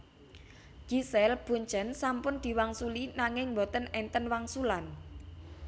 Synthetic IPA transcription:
ɡ̥isɛlb̥ṳɲt͡ʃənsampʊnd̪̥i̤waŋsulinaŋɪŋmbɔt̪ənɛnt̪ənwaŋsulan

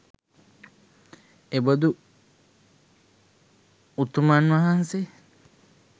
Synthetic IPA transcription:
ebod̪u | ut̪umanʋaɦanse

